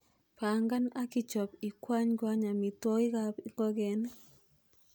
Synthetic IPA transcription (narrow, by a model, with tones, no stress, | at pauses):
pa˨ŋɡa˦na˦ki˦t͡ʃɔ˨pi˨kwa˦ɲɡwa˦ɲa˨mi˨twɔ˦ɡɪ˦ɡa˦pŋɡɔ˦ɡɛ˨n